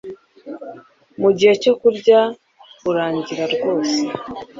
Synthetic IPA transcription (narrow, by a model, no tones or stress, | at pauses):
muɟihe̞co̞kuɾɟa | uɾaːɲɟiɾaɾɡo̞ːse